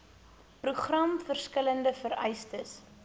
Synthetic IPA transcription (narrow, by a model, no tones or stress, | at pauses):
pruχrɐmfərskələndəfəɾœjstəs